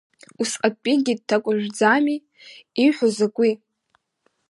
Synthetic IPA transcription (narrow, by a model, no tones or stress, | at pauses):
usqapʼiɡʲid̚tʰakʷʼʊʒʷᶣd͡zami | iħʷozakʷʼi